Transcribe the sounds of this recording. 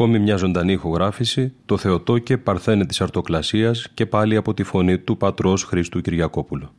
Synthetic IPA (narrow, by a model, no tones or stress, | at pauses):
ko̞mimɲɐzo̞nd̪ɐniːxo̞ɣɾɐfisit̪o̞θe̞o̞t̪o̞ce̞pɐɾθe̞net̪i̥sɐɾt̪o̞klɐsiɐsce̞pɐliɐpo̞t̪ifo̞nit̪upɐt̪ɾo̞sxɾist̪uciɾʝɐko̞pulo